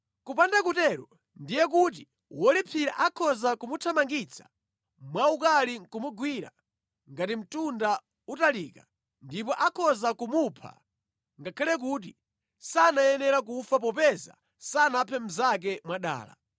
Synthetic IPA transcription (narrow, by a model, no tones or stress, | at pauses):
kupandakutɛɾɔ | ndijɛk̬ut̬i | wɔlipʰiɾa̰ʔakʰɔzakumutʰamaŋɡit͡sʰḁ | mwaukalikumuɡwiɾa̰ | ŋɡatim̩tunda | utaliːka | ndipɔʔakʰɔzakumupʰa̰ | ŋɡakʰalɛk̬uːt̬i | sanajɛnɛɾak̬ufap̬ɔpɛza̰ | sanapʰɛm̩zak̬ɛmwaɗa̰ːla̰